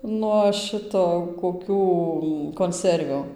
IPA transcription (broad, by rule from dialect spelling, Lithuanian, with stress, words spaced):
nuɔ ˈʃʲɪtoː koːˈkʲuː koːnʲˈsʲɛrʲʋʲuː